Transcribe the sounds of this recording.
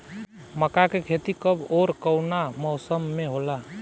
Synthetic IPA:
məkakekʰet̪ikəboːɾkəwnamɔʊsəmːeɦola

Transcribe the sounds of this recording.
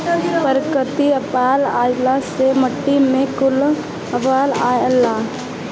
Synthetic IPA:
pəɾkət̪iɐpaːlaːjlaseməʈːimẽkʊl | ɐʋaːlaːjəla

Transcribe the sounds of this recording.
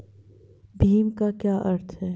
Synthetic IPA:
bʱiːmkakjaːʔɐɾt̪ʰɦɛː

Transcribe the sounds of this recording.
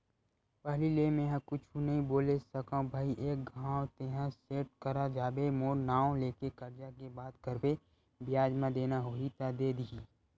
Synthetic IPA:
pəɦlileːmẽːɦãkʊt͡ʃʰũnɐɦĩboːlesəkãbʱaːiʔeːk̚ɡʱãːt̪eːɦãseːʈ̚kəɾad͡ʒaːbemoːɾnaːõleːkekɐɾd͡ʒakebaːd̪kəɾbe | bɪjaːd͡ʒmãd̪eːnaɦoit̪ad̪eːd̪ii

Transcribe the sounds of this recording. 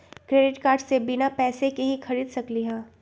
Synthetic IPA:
kɾeːɖɪʈkaːɾɖsebɪnapɛːsekeɦĩxɐɾiːd̪sɐkliɦɛ̃ː

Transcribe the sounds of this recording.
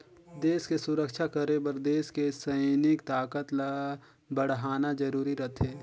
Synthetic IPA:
d̪eːskesʊɾəkʃakəɾebɐɾd̪eːskesɐɪnɪkt̪aːkət̪l | bəɽ̤ɦaːnad͡ʒɐɾuːɾiɾɐt̪ʰeː

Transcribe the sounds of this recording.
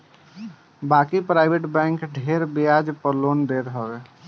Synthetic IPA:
bakipɾaɪbeʈbɛ̃ŋkɖʱeɾbejad͡ʒpəɾlond̪eɾɦəbe

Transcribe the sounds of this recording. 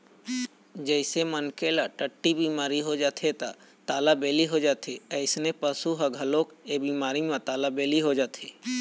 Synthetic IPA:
d͡ʒəɪsemənkelaʈəʈːibiːmaːɾiɦod͡ʒaːt̪ʰet̪a | t̪aːlabeːliɦod͡ʒaːt̪ʰeəɪsnepəsuɦəɡʱəloːkebiːmaːɾimãt̪aːlabeːliɦod͡ʒaːt̪ʰeː

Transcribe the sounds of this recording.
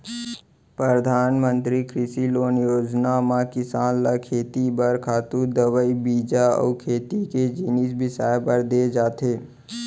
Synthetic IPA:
pɾəɾd̪ʱaːnmə̃nt̪ɾikɾɪsiloːnjoːd͡ʒnamãkɪsaːnlakʰeːt̪ibəɾkʰaːt̪ud̪əʋəibiːd͡ʒaɔ̰ːkʰeːt̪iked͡ʒinisbɪsaːjpəɾd̪ed͡ʒaːt̪eː

